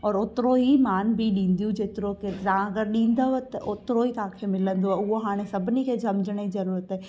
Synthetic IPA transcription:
ɔːɾʊt̪ɾoɦimaːnbʱiɗĩːnd̪ijũd͡ʒeːt̪ɪɾokeaãɐɡəɾɗĩːnd̪aet̪ɐʔʊt̪ɾoɦikãːkʰemɪlə̃nd̪oaʊɦoɦaːɽ̃esɐbʱɪnikʰed͡ʒɐmd͡ʒəɽ̃əizɐɾuːɾət̪ɦɛː

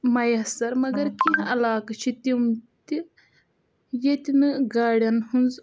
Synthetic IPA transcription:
mɐjɐsɐɾmɐɡɐɾkiɦɐlaːkɐt͡ʃʰit̪imt̪i | jet̪ʲinɨɡaːɽʲjɐnhunz

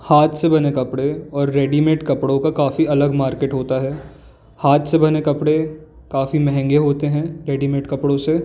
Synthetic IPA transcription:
haːt̪sebɐnekɐpɽeɔːɾːeːɖimeːʈkɐpɽõkakaːfiɐləɡmaːɾkeːʈɦoːt̪aɦɛː | haːt̪sebɐnekɐpɽe | kaːfimɛɦɛ̃ŋɡeɦoːt̪eɦɛ̃ɾeːɖimeːʈkɐpɽõse

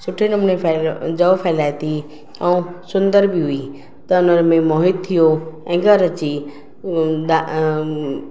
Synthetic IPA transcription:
sʊʈʰinʊmnẽpʰd͡ʒəpʰɛːlaːjt̪i | aũsʊnd̪əɾbiɦʊi | t̪ɐʊnəɾmẽmɔːɦɪd̪̚t̪ʰːijoɛ̃ːɡəɾət͡ʃi | d̪a

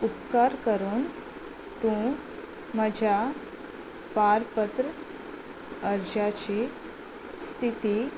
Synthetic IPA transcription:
upkaɾkəɾuːn | t̪ũ | məd͡ʑʱja | paɾpət̪ɾə | əɾd͡ʑat͡ɕi | st̪ʰit̪i

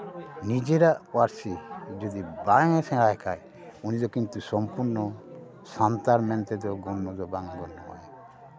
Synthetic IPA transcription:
nid͡ʒeɾaʔwaɾsid͡ʒɔd̪ibaŋɛsɛ̃aɛkʰaj | unid͡ʒ̪ɔkint̪usɔmpuɾnɔ | sant̪aɾmɛnt̪ɛd̪ɔɡɔnmɔd̪ɔbaŋɡɔnːɔma̰j

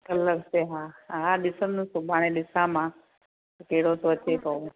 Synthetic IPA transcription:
kələkseɦãɦãɗ̪ɪsəmnũsobʱaɽ̃ẽɗɪsãmã | keːɽot̪oət͡ʃːekoũ

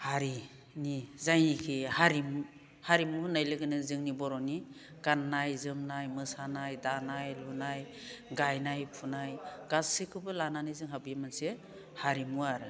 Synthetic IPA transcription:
haɾi | nizajnikʰihaɾim | haɾimuhnajlɯɡɯnɯzɯŋnibɔɾɔni | ɡ̥anːajzɯmnajmɯsanajdanajlunaj | ɡajnajpʰunajɡ̥asɯkʰɯbɯlananizɯŋɦabijamanse | haɾimuaɾɯ

